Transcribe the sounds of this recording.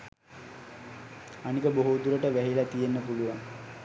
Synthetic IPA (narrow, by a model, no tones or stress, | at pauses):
anikəboɦud̪uɾəʈəʋæɦilat̪ijenːəpuluʋaŋ